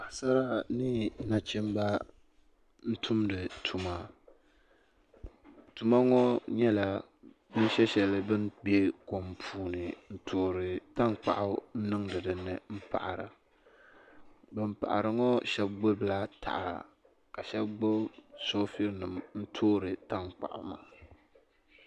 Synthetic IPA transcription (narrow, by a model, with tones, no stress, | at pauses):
ba˨hsa˦ɾa˦nɨ˦na˨t͡ʃɪ˦mba˦ | n̩˦tʰu˦mdɨ˨tʰu˨ma˦ | tu˨ma˦ŋɔ˦ɲɛ˦la˨ | bɨ˦n˦ʃɛ˦ʃɛ˨lɨ˦bɨ˦nbe˦ko˨mpʰuː˨˦nɨ˨n̩˦tʰoː˦ɾɨ˨ta˦ŋk͡pa̰˨ʔʊ˦n̩˦nɨ˦ŋdɨ˨dɨ˨˦nːɨ˨m̩˦pa̰˨ʔa˨ɾɨ̰˨ | bɨ˦m˦pa̰˨ʔa̰˨ɾɨ˨ŋɔ˦ʃɛ˦b̚ɡ͡bo˦bɨ˨la˦tʰa̰˨ʔa˨a̰˨ | ka˨ʃɛ˦bɡ͡bo˦bso˦fi˦ɾnɨ˨mn̩˦tʰoː˦ɾɨ˨ta˦ŋk͡pa̰˨ʔʊ̰˨ma̰ː˨